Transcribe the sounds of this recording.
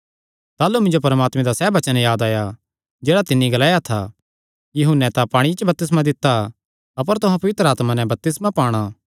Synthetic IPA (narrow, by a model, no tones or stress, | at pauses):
t̪aːlumɪ̃nd͡ʒopɐɾəmaːt̪mɛ̃d̪asɛːbɐt͡ʃənjaːd̪aːja | d͡ʒeːɽat̪ɪnːiɡɐlaːjat̪ʰa̰ | jɐɦʊnːɛt̪apaːɽ̃it͡ʃbɐp̚t̪ɪs̬mãd̪ɪt̪ːa | ɐp̬əɾt̪ʊɦãpɐʋɪt̪ɾəaːt̪manɛ̃bɐp̚t̪ɪsmapaːɽ̃a